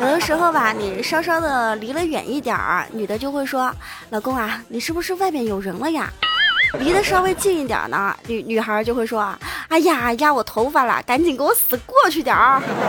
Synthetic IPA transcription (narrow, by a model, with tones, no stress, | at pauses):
jo˨˩ʊd̪ə˧˦ʂɻ̩˧˥xo˥˧ʊba˨˩ni˨˩ʂɑ˥ʊʂ̬ɑ˥ʊd̪ə˨li˧˥lə˧ɥɛ̰˨˩ni˥˩t̪jɑ̰˨˩˦ny˨˩d̪ə˦t͡ɕjo˥˧ʊxwe˥˩ɪʂwɔ˥ | lɑ˨˩ʊkʊ˥ŋa˧ni˨˩ʂɻ̩˥˩bu˧˩ʂɻ̩˥˧wa˥˩ɪmjɛ˥˩njo˨˩ʊɻə˧˥nlə˧ja̰˥˩li˧˥d̪ə˧ʂɑ˥we˥˧ɪt͡ɕi˥˧ni˥˩t̪jɑ̰˨˩nə̰˦ny˧˥ny˨˩xə˞˧˥t͡ɕjo˥˧ʊxwe˥˩ʂwɔ˥˩a˥˩ja˨˩˨ja˥˩wɔ˨˩t̪ʰo˧˥ʊfa˥˩lə̰˧˩ka˧˥nt͡ɕi˨˩ŋkə˥wɔ˧˦sɹ̩˨˩kwɔ˥˧t͡ɕʰy˥˩t̪jɑ̰˨˩˦